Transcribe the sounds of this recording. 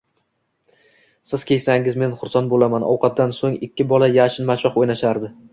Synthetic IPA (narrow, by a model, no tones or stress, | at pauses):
sɪz̥kʲʰe̞jsaŋʲɪzme̞nχʊɾsanbolamanʔɒ̰wqʰɑt̪̚d̪ansoŋɪkʲʰːɪbɒlˠajaʃɪnmat͡ʃʰɒχojnaʃaɾd̪ɪ